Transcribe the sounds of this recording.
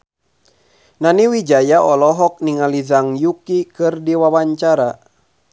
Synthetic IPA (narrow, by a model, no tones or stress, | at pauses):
naniwid͡ʒajaɔlɔɦɔk̚niŋalizaŋjukikɨrdiwawaɲt͡ʃaɾa